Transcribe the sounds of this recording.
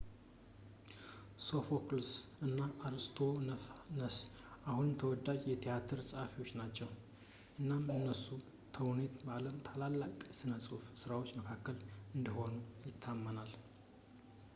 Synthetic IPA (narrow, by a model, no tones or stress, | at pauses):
so̞foklsɨnːaʔaɾst̪ʰo̞nəs | ʔahunmt̪ʰəwɔd̪ːad͡ʒjɛt̪ʰijat̪ʰɨɾsʼəhafiwo̞t͡ʃːnat͡ʃːɛw | ʔɨnːamɨnːəsu | t̪ʰəwnet̪bəaləmt̪ʰalalːakʼsɨnəsʼufsɨɾawo̞t͡ʃːməkʰakːəlɨnd̪əho̞nujɪt̪ʰːamːənal